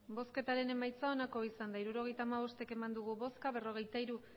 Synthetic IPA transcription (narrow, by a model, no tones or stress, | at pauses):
bo̞ske̞t̪aɾe̞ne̞majt͡sao̞nako̞isand̪aiɾuɾo̞ɣ̞e̞jt̪aːmaβ̞o̞st̪e̞ke̞mand̪uɣ̞uβo̞skaβ̞e̞ro̞ɣ̞e̞jt̪aiɾu